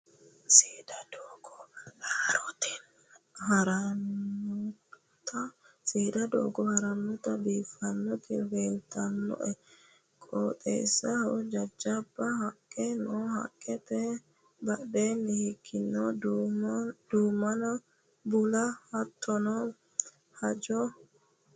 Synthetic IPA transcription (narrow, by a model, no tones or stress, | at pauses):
seːd̪ɐd̪oːɡɔhɾɔt̪ɛn | hɾn | t̪ɐ | seːd̪ɐd̪o̰ːɡɔhɐɾɐnːʊt̪ɐbiːfːɐnːɔt̪ɪbeːlt̪ʰɐnːɔ̰ʔɛ | kʼoːt̪ʼḛːsːɐhɐɔd͡ʒɐd͡ʒːɐbːɐhɐkʼːɛnɔhɐ̰kʼːɛt̪ɛ | bɐɗeːnːɪhɪkʰːɪnːɔ | d̪̥uːmːɐnɐ | bʊlɐhɐt̪ʰːɔnɔ | hɐd͡ʒɔ